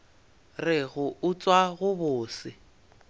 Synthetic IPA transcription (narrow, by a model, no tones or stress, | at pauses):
rɪɣʊʊt͡sʼwaɣʊbʊːsɪ